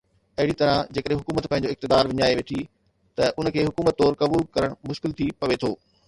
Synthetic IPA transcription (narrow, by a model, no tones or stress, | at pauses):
ɐɦɪɽit̪ɐɾãd͡ʑeːkəɗẽɦʊkuːmət̪pɐ̃ɦɪ̃ɲ̆d͡ʑoːɪk̚t̪ɪd̪aːɾʋɪɲaːeʋeːʈʰi | t̪ɐʔʊnkʰeːɦʊkuːmət̪ːɔːɾkɐbuːlkɐɾəɽ̃mʊʃkɪlt̪ʰipɐʋet̪ʰoː